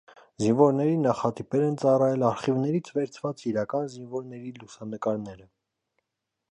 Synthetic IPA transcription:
zinvɔɾnɛɾinɑχɑt̪ipɛlɛnt͡sɑrɑjɛlɑɾχivnɛɾit͡sʰvɛɾt͡sʰvɑt͡siɾɑkɑnzinvɔɾnɛɾilusɑnəkɑɾnɛɾə

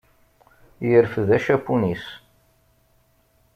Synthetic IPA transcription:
jəɾfðæʃæpunis

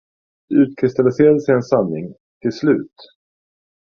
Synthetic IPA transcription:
ʉ̟ːt̪̚kʰɾɪst̪alɪseːɾad̪əsɛjɛnsanːɪŋ | t̪ʰɪlslʉ̟ːt̪

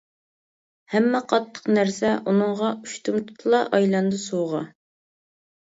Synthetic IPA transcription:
hɛmːɛqʰɑt̪ʰːə̥qnæɾsɛʔunɨŋʁɑyʃt̪ʰumt̪ʰu̥t̪ʰlˠɑʔɑjlˠɑnd̪ɨsoʁɑ̰

